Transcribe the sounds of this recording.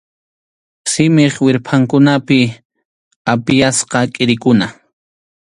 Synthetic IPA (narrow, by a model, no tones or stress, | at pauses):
sɪmeχwɪɾpʰaŋkʊnapɪ | apɪjasqɑkʼɪɾɪkʊna